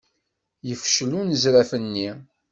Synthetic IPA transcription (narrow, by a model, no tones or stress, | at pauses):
jəfʃlunəzɾæfənːi